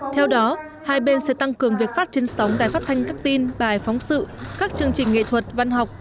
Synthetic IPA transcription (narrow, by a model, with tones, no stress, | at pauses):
t̪ʰɛ˧wɗɔ˨˦ | haː˧jɓe˧nsɛ̰˧˥t̪a˧ŋkɨ˨˩əŋvi˨˩ək̚faː˦˥t̚t͡ɕe˨˧nsa˨˦wŋ͡mɗaː˨˧˩jfa˦˥t̚t̪ʰa˧jŋ̟kaː˦˥k̚t̪i˧nɓaː˨˩jfɔ˨˦wŋ͡msɨ̰˧˨kaː˦˥k̚t͡ɕɨ˧əŋt͡ɕï˨˩ŋ̟ŋḛ˧˨t̪ʰwə˨˩t̚va˧nɦa˨˩wk͡p̚